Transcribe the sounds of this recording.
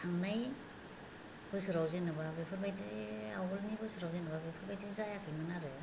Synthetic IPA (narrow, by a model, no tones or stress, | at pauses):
aŋnaj | bɔjsɯɾawzenɯbabepʰɯɾbajtiawɔlnibɔjsɯɾawzenɯbabepʰɯɾbajtizajakʰimanaɾɯ